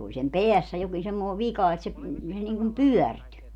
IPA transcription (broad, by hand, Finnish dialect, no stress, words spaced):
olʲ sem peæsːæ jokin semːoː ʋikɑ et se se niŋkum pyœˑrty